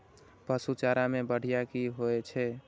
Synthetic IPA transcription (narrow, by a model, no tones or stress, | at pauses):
pəsut͡ʃaɾamebəɽ̤ijakiɦoɛt͡ʃʰɛ